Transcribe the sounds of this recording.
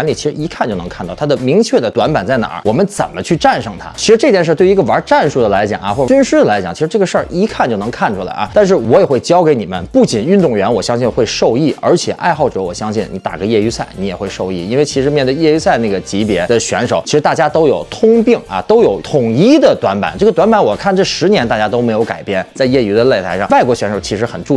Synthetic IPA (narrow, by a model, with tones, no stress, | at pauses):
li˨˩t͡ɕʰi˧˥ʂɻ̩˧˥i˧˥kʰa˥˩˧t͡ɕo˥˩ʊnɤ˧˥ŋkʰnt̪ɑ˥˩˥d̪ə˨mi˧˥ŋt͡ɕʰɥɛ˥˩d̪ə˩t̪wa˧˥npa˨˩nt͡sa˥˩ɪna̰˨˧˥wɔ˨˩mə˦nt͡sə˨˩nmə˦t͡ɕʰy˥˧ʈ͡ʂa˥˩nʂɤ˨˩ŋt̪ʰa̰˥t͡ɕʰi˧˥ʂɻ̩˧˥ʈ͡ʂɤ˥˧t͡ɕ̪jɛ˥˧nʂ̬ə˞˥˧twi˧˥ɡə˧wə˞˧˥ʈ͡ʂa˥˧nʂu˥˩d̪ə˩la˧˥ɪt͡ɕjɑ̰˨˩ŋɐ̰˦˥xwɔ˥˩˧y˥nʂɻ̩˥ə˨la˧˥ɪt͡ɕj̰ŋt͡ɕʰi˧˥ʂɻ̩˧˥ʈ͡ʂɤ˥˩ɡə˩˧ʂə˞˥˧ʔi˧˥kʰa˥˧nt͡ɕjo˥˩ʊnɤ˧˥ŋkʰa˥˩nʈ͡ʂʰu˥la̰˧˥ɪʔa̰˧t̪a˥˧nʂ̬ɻ̩˥˩wɔ˧˥jɛ˨˩xwe˥˩ɪt͡ɕjɑ˥ʊke˧˥ɪni˨˩mə̰˦npu˥˩t͡ɕi˨˩ny˥˧nt̪ʊ˥˩ŋɥɛ˧˥nwɔ˨˩ɕjɑ˥ŋɕi˥˧nxwe˥˧ɪʂo˥˧ʊi˥˩ə̰˞˧˥t͡ɕʰjɛ˨˩ʔa̰˥˧ɪxɑ˥˩ʊʈ͡ʂɤ˧˥wɔ˨˩ɕjɑ˥ŋɕi˥˩nni˧t̪a̰˨˩ɡə˧˦jɛ˥˩y˧˥sʰa˥˩ɪni˧˥jɛ˨˩xwe˥˧ɪʂo˥˧ʊi˥˩i˥nwe˥˩ɪt͡ɕʰi˧˥ʂɻ̩˧˥mjɛ˥˧nt̪̬ə˥˧jɛ˥˧y˧˥sa˥˧ɪna˥˩ɡə˩t͡ɕi˧˥pjɛ˧˥d̪ə˧ɕɥɛ˧˥nʂo˨˩˦t͡ɕi˧˥ʂɻ̩˧˥t̪a˥˩t͡ɕja˥t̪o˥ʊjo˨˩ʊt̪ʰʊ˥ŋpi˥˩ŋɐ̰˧t̪o˥ʊjo˨˩˥ʊt̪ʰʊ˨˩ŋi˥d̪ə˨t̪wa˧˥npa̰˨˩nʈ͡ʂɤ˥˩ɡət̪wa˧˥npa˧˥nwɔ˨˩kʰa˥˩˧nʈ͡ʂɤ˥˩ʂɻ̩˧˥njɛ˧˥nt̪a˥˩t͡ɕja˥t̪o˥ʊme˧˥ɪjo˧˥ʊka˨˩ɪpjɛ˥˩nt͡sa˥˧ɪjɛ˥˩y˧˥d̪ə˧le˥˩ɪa˧˥ɪʂɑ˥˩wa˥˩ɪkwɔ˧˥ɕɥɛ˧˥nʂo˨˩ʊt͡ɕʰi˧˥ʂɻ̩˧˥xə˨˩nʈ͡ʂu˥˧